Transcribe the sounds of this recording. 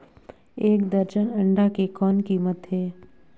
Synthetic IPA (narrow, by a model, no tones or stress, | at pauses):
eːkd̪əɾd͡ʒənɐ̃ɳɖakekɔːnkiːmət̪ɦɛː